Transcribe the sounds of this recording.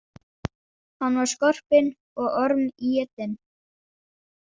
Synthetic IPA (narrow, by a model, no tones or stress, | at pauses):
hanːvaɾ̥skɔr̥pɪn | ɔɣɔɾmijɛt̪ːɪn